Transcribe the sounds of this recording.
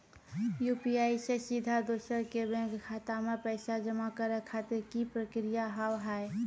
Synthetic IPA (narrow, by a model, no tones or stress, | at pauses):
juːpiaːisesid̪ʱad̪oːsəɾkebɛ̃ŋkkʰaːt̪amepɛɪsad͡ʒəmakəɾɛkʰat̪eɾkipɾəkɾijaɦəwɦɛe